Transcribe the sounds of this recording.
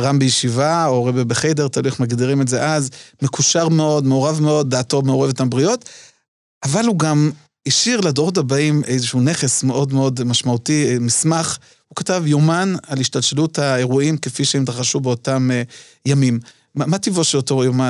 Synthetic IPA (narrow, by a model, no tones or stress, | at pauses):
ʁambejeʃivaoʁebebeχede̞ʁt̪alujeχmaɡdiʁimezeʔazmekuʃaʁmeo̞dme̞oʁavme̞o̞d̚ːaːto̞meo̞ʁevtambʁijo̞t | ʔavalhuɡam | iʃiʁladoʁot̬habaimʔejzeʃune̞χe̞smeʔo̞dmeo̞dmaʃmautimismaχ | hukatavjomanaliʃtalʃeluthaeʁuimkefiʃeemt̪aχaʃube̞o̞tam | jamim | amativoʃelotojoma